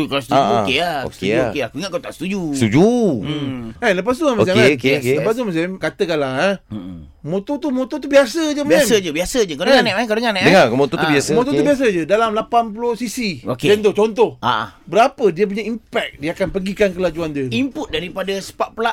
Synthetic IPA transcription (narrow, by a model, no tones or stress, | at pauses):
t̪ukasət̪ud͡ʒukeao̰kekeakuiŋaʔkawt̪aʔst̪ud͡ʒust̪ud͡ʒu | ɛnləp̬as̬t̪uamas̬ɛeokekləpast̪umas̬ɛmkat̪əkalaa | mot̪ot̪umõt̪ɔt̪ubiasəd͡ʒəmaaɛməd͡ʒəbiasəd͡ʒəkawdəŋanɛʔakawdəŋanɛʔdəŋakmot̪ɔubiasəmot̪ɔt̪ubias̬əd͡ʒədalamlapanpulohsisioked͡ʒɛnt̪ot͡ʃɔnt̪ɔhaʔa̰bəɾapədiəp̬uɲaimpɛk̚diakanpəɡikankəlad͡ʒuandəimpʊt̪̚daɾipadasə̥paʔpəlaʔ